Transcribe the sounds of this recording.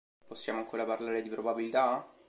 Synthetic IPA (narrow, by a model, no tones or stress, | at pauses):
posːjaːmoaŋkoːɾaparlaːɾed̪ipɾobabilit̪a